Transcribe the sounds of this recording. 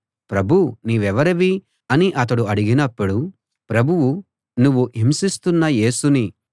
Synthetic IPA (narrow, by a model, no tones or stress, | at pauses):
pɾɐbʱuniːʋɛʋɐɾɐʋi | ɐniʔɐt̪̬ɐɽuɐɽiɡinɐpːuɽu | pɾɐbʱuʋu | nuʋːuimsist̪unːɐje̞ːsuni